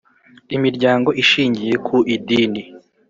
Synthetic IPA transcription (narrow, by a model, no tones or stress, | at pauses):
imiɾɟaːŋɡo̞ʔiʃiːɲɟije̞kʰuʔidiːni